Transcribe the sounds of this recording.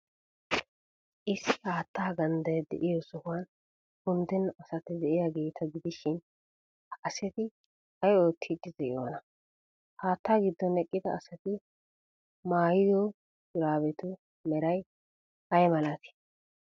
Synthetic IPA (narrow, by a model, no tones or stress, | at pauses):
ʔɪsɪhaːt̪ːaːɡɐnd̪ɐjɛd̪ɛ̰ʔɪjɔsɔhɐn | hʊnd̪ɛnɐsɐt̪ɪd̪ɛʔɪjaɡeːt̪ʰɐɡɪd̪ɪʃɪn | ɐsɛt̪ɪ | ɐjo̞ːt̪ʰːɪd̪ːɪzɛɪjo̰ːnɐ | haːt̪ːaːɡɪd̪ːɔnɛkʼːɪd̪ɐɐsɐt̪ɪ | maːjɪjɔ | bʊɾaːβɛt̪ʊ | mɛɾɐj | ɐjmɐlɐt̪ɪ̥